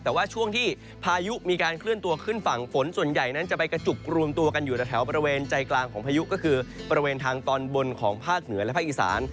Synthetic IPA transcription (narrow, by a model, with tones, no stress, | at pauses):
t̪ɛː˨˩waː˥˩t͡ɕʰu˥˩əŋt̪ʰiː˥˩ | pʰaː˧ju˦˥ʔmiː˧kaː˧nkʰlɯ˥˩ənt̪u˧ɐkʰɯ˥˩nfa˨˩ŋfo˩˦nsu˨˩ənja˨˩jna˦˥nt͡ɕa˨˩ʔpa˧jka˧t͡ɕu˨˩k̚ɾu˧əmt̪u˧ɐka˧njuː˨˩t̪a˨˩t̪ʰɛ˩˦wbɔː˧ɾi˧weː˧nt͡ɕa˧jklaː˧ŋkʰɔː˩˦ŋpʰaː˧ju˦˥ʔkɔː˥˩kʰɯː˧bɔː˧ɾi˧weː˧nt̪ʰaː˧ŋt̪ɔː˧nbo˧nkʰɔː˩˦ŋpʰaː˥˩k̚nɯ˩˦ɐlɛ˦˥pʰaː˥˩ʔi˨˩sa̰ː˩˦n